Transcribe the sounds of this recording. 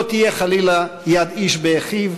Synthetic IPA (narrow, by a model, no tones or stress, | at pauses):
t̪ijeχalilajad̪iʃbeeχiv